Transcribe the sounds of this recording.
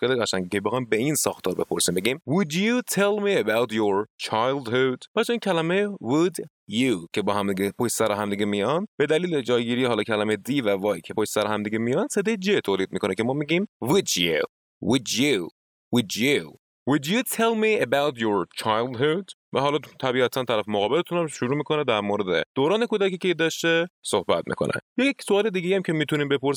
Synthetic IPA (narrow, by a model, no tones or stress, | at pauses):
keliæsæŋekʰebexɒːjmbeinsɒ̰ːxt̪ʰɒːɾbepʰoɾsimbe̞ɡimwʊd̪jut̪ʰelmiebawt̪joɹt͡ʃʰajld̪hod̪b̥æɾt͡ʃʰoiːncʰælæmewʊd̪ | jukʰe̞bɒːɦæmd̪iɡʲepʰoʃsæɾɔɦæmd̪iɡemijɒnd̪b̥e̞d̪æliːled͡ʒɒːjɡiːɾiːɦɒːlɒːkʰælæmejd̪iːvævɒːjikʰepʰoʃsæɾɔhæmd̪iɡʲemijɒnd̪sed̪ed͡ʒet̪ʰoːliːd̪̚miːkʰonekʰe̞mɒːmiːɡiːmvud̪jṵ | wud̪ju | wud̪ju | wʊd̪jut̪ʰelmiebawt̪ʰjoɾt͡ʃʰajld̪ɦud̪ | væɦɒːlɒːt̪ʰæbiːæt̪ʰænt̪ʰæɾæfemoɣɒːbelet̪ʰunæmʃuɾuːmiːkʰoned̪æɾmoɾed̪ḛd̪̥oːɾɒːne̞kʰud̪ækiːcʰeid̪ɒʃt̪esohbæt̪̚mḭːkʰo̰nḛjɒjeksoɒːle̞d̪iːɡʲejæmcʰemiːt̪ʰuniːmbe̞poɾs